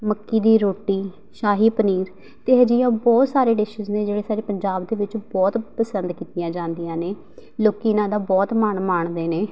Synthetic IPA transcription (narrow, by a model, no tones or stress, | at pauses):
məkːiːd̪iːɾoːʈiː | ʃaːɦiːpəniːɾ | t̪eːɦəd͡ʒiːãːbɔːt̪saːɾeːɖɪʃəzneːd͡ʒeːɽeːsaːɾeːpəɲd͡ʒaːbd̪eːʋɪt͡ʃbɔːt̪pəsənd̪kiːt̪ijãːd͡ʒãːnd̪ijãːneː | loːkiːnãːd̪aːbɔːt̪maːɳmaːɳd̪eːneː